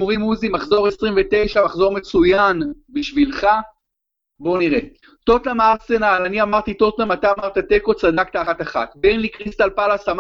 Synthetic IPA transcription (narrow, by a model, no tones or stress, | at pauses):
muʁimuzimaχzo̞ʁesʁimvet̪ejʃamaχzo̞ʁmet͡sujanbiʃvilχa | bo̞niʁe | t̪o̞t̪lamasenaːlaniamaʁt̪it̪o̞t̪lamat̪aːmaʁt̪at̪eko̞t͡sad̪akt̪aːt̪aχa̰t̪benlikʁist̪alpalasam